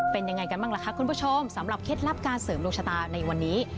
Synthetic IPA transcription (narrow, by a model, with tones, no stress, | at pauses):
pe˧nja˧ŋa˧jka˧nmaː˥˩ŋla˦˩kʰa˦˥kʰu˧npʰu˥t͡ɕʰo˧msa˩˦mɾa˨˩p̚kʰe˦˥t̪̚ɾa˦˥p̚kaː˧nsɤː˩˦mloː˧ŋt͡ɕʰa˧t̪aː˧na˧jwa˧nːiː˦˥